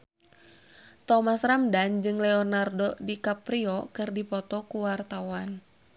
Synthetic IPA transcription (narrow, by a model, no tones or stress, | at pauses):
t̪ɔmasramdand͡ʒɨŋlɛɔnardɔdikapɾiɔkɨrdipɔt̪ɔkuwart̪awan